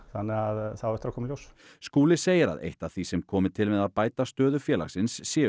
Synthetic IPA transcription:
θanːɪaðθawɛht̪ɾakɔːmljows | skuːlɪseːjɪɾa̰ðḛjht̪aðθisɛmkʰɔːmɪt̪ʰɪlmɛðaðpaːjt̪ast̪œːðʏfjɛːla̰xsɪnsːjɛː

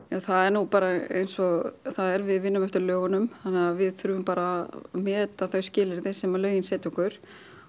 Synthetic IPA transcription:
jaθaðɛɾnupaːɾaḛjnsɔɣθaðɛɾvɪðvɪnːʏmɛft̪ʏɾlœːɣanʏmθanːɛavɪðθʏɾʏvʏmpaːɾamɛːt̪aθœɥscɪːlɪɾðɪsɛmalœːɥjɪnsɛːt̪ʏkʏɾ̥

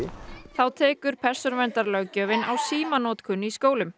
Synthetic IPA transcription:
θawt̪ʰɛːkʏɾ̥pʰɛr̥sɔnvɛnt̪aɾlœɣcœːvɪnawsiːmanɔːt̪kʰʏnːiskoːwlʏm

